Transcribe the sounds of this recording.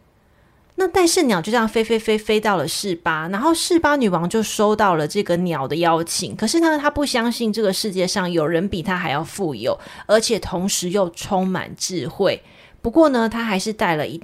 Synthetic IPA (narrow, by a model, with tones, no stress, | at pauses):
na˥˧t̪a˥˧nʂɻ̩˥˩njt͡ɕjo˥˧ʊɕjɑ˥˩ŋfe˥ɪfe˥ɪfe˥ɪfe˥ɪt̪ɑ˥˩ʊlə˩ʂɻ̩˥˩pa˦˥na˨˧˥nxo˥˧ʊʂɻ̩˥˩pa˥ny˨˩wɑ˧˥ŋt͡ɕjo˥˩ʊʂo˥ʊt̪ɑ˥˩ʊlə˩ʈ͡ʂɤ˥˩ɡə˩njɑ˨˩ʊd̪ə˦jɑ˥ʊt͡ɕʰḭ˨˩˦ŋkʰɤ˨˩ʂɻ̩˥˩t̪ʰa˥t̪ʰa˥pu˥˩ɕjɑ˥ŋɕi˥˧nʈ͡ʂɤ˥˩ɡə˩ʂɻ̩˥˧t͡ɕjɛ˥˧ʂɑ˥˨˩ŋjo˨˩ʊɻə˨˧˦npi˨˩t̪ʰa˥xa˧˥ɪjɑ˥˧ʊfu˥˩jo̰˨˩ʊə˞˧˥t͡ɕʰjɛ˨˩t̪ʰo˧˥ŋʂɻ̩˧˦jo˥˩ʊʈ͡ʂʰo˥ŋma̰˨˩nʈ͡ʂɻ̩˥˨xwe˥˩ɪ | pu˧˥kwɔ˥˩nə˨t̪ʰa˥xa˧˥ɪʂɻ̩˥˧t̪a˥˩ɪlə̰˨ʔi˧˥